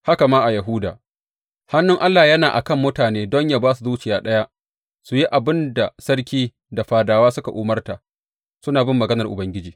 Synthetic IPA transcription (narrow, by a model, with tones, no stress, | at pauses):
ha˦ka˨maː˦ʔa˨jɐ˨ɦʊ˦da̰ː˨ | ha˦nːʊ˦ŋʔa˦lːaː˨jɐ˦naː˨ʔa̰˨kɐ˦mːʊ˦taː˨neː˦dɔ˦ɲjaː˦baː˦s̬u˨zuː˦t͡ʃɪ˨jaː˦ɗɐ˦ja˦ʔ | su˨ji˦ʔa˨bɪ˦nda˨sɐ˦rkʲiː˦ | da˨ɸaː˨daː˨waː˦sʊ˦ka˨ʔʊː˨mɐ˦rta˨ | sʊ˦naː˨bɪ˦mːɐ˨ɡɐ˦nɐ˨rʔʊ˨bɐ˦ŋɡʲɪ˦d͡ʒiː˨